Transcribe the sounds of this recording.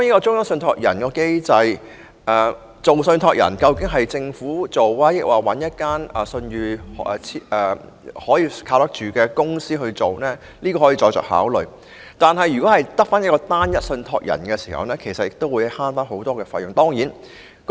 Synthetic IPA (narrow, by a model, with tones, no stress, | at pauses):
ɔ˥ji˥kɔː˧t͡sʊ˥ŋjɐ˥ŋsɵ˧nt̪ʰɔː˨k̚jɐ̰˨˩nkɔː˧ke˥jt͡sɐ˧j | ʔɛ˨ | t͡so˨wsɵ˧nt̪ʰɔː˨k̚jɐ̰˨˩nkɐ˧wkɪ˨˥ŋɦɐ˨jt͡sɪ˧ŋfuː˨˥t͡so˨waː˥jɪ˥k̚waː˨wɐ˨˥njɐ˥t̚kaː˥nɛ˨˩sɵ˧njyː˨˧ɛ˨˧t͡sʰi˥ɛ˨ | hɔː˨˥jiː˧kʰaː˧wt̪ɐ˥k̚t͡ʃyː˨kɛː˧kʊ˥ŋsiː˥ɦɵ˧ɥt͡so˨wnɛː˥ | liː˥kɔː˧ɔː˨˥jiː˧˩t͡ʃɔː˧jt͡ʃœ̰ː˨k̚ha̰ː˨˥wlɵ˨˩ɥ | t̪aː˨nɦɐ˨jːy˨kɔ˨˥hɐ˨jt̪ɐ˥k̚faː˥njɐ˥tkːɔː˧t̪aː˥njɐ˥t̚sɵ˧nt̪ʰɔ̰ː˧k̚jɐ̰˨˩nkɛ˧siː˨˩hɐ̰˨wnɛː˥kʰe˨˩jsɐ˨t̚jɪ˨k̚t̪o˥wuː˨˧jhaː˥nfaː˥nɦo˨˥wt̪ɔː˥kɛː˧faː˧jʊ˨ŋt̪ɔː˥ŋjiː˨˥n | k